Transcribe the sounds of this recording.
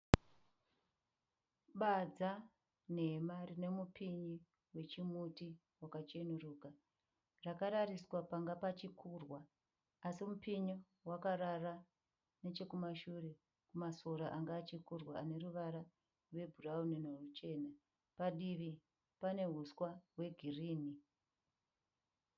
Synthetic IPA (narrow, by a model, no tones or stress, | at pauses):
ɓad͡za | ne̞marine̞mupʰiɲi | we̞t͡ʃimuti | wakat͡ʃenuruːka | rakaɾariswapaŋɡapat͡ʃikʰuːrwaː | simupiɲi | wakaɾara | ne̞t͡ʃe̞kumaʃure̞ | kumaso̞ɾaʔaŋɡaːt͡ʃikurwaane̞ɾuʋaɾa | rwe̞bʱuraunenorut͡ʃe̞na | paɗiʋi | pane̞ɦuswaɦwe̞ɡʱiriːni